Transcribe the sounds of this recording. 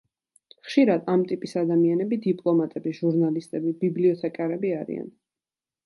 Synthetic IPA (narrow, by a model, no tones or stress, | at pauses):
χʃiɾad̪amt̪ʼipʼisad̪amianɛbid̪ipʼlˠɔmat̪ʼɛbiʒuɾnalist̪ʼɛbibibliɔt̪ʰɛkʼaɾɛbiaɾḭa̰n